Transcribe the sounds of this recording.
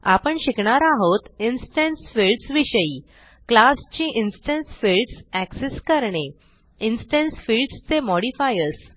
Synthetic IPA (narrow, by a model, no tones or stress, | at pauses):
a̰pəɳɕikɳaɾaɦot̪insʈensfilɖsʋiɕəiː | klast͡ɕĩːʔinsʈensfilɖsækseskəɾɳe | insʈensfilɖst͡semɔɽifajəɾs